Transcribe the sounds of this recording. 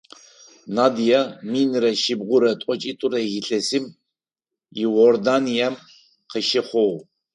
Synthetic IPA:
nad̪ijaminɾɐʃibʁʷʊɾɐtʷʼɔt͡ʃʼit̪ʼuɾɐɣiɬʼɐsim | iwɔrd̪anijam | qʰəʃɪχʷɔw

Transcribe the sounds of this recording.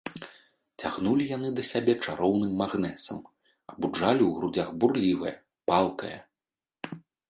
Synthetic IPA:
t͡sʲaɣnulʲijan̪ɨd̪ɐsʲabʲɛt͡ʂaɾɔwnɨmːaɣnɛt̪sɐm | ɐbud͡ʐalʲiwɣɾud͡zʲaɣburlʲivɐjɐ̰ | palˠkɐ̰jɐ̰

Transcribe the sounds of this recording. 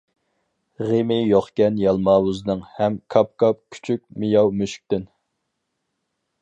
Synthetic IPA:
ʁemɪjoχkʲɛnjɑlˠmɑːwuznɨŋhɛmkʰɑp̚kʰɑp̚kʲʰy̥t͡ʃʰykʲmɪjɑwmøʃy̥k̚ʲt̪yn

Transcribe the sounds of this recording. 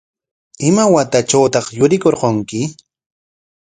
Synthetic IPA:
ɪmawat̪at͡ʃawt̪ɑχjʊɾɪkoɾqoŋkɪ

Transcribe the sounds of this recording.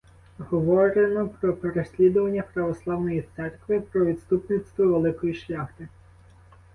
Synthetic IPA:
ɦɔʋɔɾenɔpɾɔpeɾesʲlʲid̪ʊʋɐnʲːɐpɾɐʋɔslˠɑwnɔjit̪sɛrkʋɪpɾɔʋʲit̪st̪upnɪst̪ʋɔʋelˠɪkɔjiʃlʲɑxt̪ɪ

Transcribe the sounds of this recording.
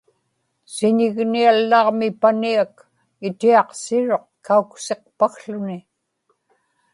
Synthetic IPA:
sɪɲɪɣnialːɑʁmɪpaniak | ɪt̪iɑqsɪɻo̞q̚kaukse̞q̚paxɬʊnɪ

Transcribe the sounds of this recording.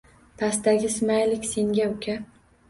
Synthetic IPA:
pʰast̪aɡʲɪsɪmajlɪkʲse̞ŋɡʲaʊkʲʰa

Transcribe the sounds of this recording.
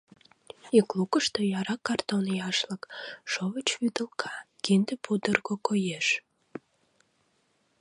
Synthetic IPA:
iklukəʃt̪ojɑɾɑkːɑrt̪onjɑʃləkʃovət͡ɕβyd̪əlkʰɑ | kind̪əpud̪ərɣokojeʃ

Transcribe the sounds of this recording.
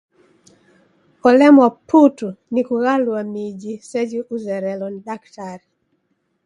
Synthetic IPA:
ɔlɛmwaputunikuɣalwamid͡ʒisɛd͡ʒiʔuzɛɾɛlɔndaktaɾi

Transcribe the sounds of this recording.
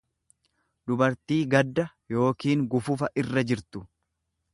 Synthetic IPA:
d̪ʊbɐɾt̪iːɡɐd̪ːɐ | jo̞ːkiːŋɡʊfʊfɐʔɪrːɐd͡ʒɪɾt̪ʊ̥

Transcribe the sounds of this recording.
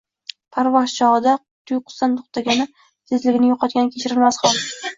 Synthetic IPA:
pʰaɾvɒzt͡ʃʰɒʁɨd̪a | t̪ʰʊjqʰʊ̥st̪ant̪ʰʊ̥χt̪ʰaɡʲanɪ | t̪ʰezlɪɡʲɪnɪjoqʰɑt̪̚ɡʲanɪkʲʰet͡ʃʰɪɾɪlmasχɒlˠd̪

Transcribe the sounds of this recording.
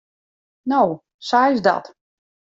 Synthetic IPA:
now | sajzdɔ̰t

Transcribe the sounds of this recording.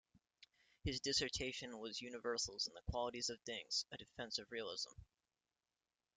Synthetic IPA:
hɨzdɪsə˞tʰeɪʃɨ̃nwʌzjʉnɨvɜ˞sl̩ˠə̃n̩ðəkʰw̥ɑlˠəɾizʌv̥θɪ̃ŋz̥ɨdɨfɛ̃nsʌvɹil̩ˠɪ̰zə̰̃m

